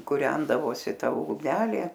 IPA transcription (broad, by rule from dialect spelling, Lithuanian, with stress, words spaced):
kʊˈrʲɛndɐʋoːsʲɪ ˈtɐ ʊɡˈnʲæːlʲeː